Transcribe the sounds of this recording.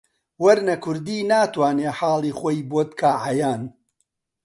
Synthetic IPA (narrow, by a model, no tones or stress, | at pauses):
wɐɾnɐkʰʊɾd̪iːnaːt̪waːneːħaːlˠiːχoːjboːt̪kʰaːʕajaːn